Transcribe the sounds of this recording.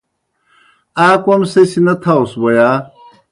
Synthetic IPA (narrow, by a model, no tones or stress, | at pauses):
aːkwɐmsɐsinɐt̪ʰawswɐjaː